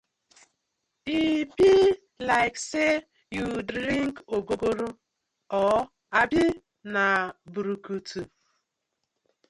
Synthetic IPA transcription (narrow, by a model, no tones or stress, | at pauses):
ibi | laɪkse | judɾiŋkoɡoɡoɾo | ɔ | abɪ | nabuɾukutʰu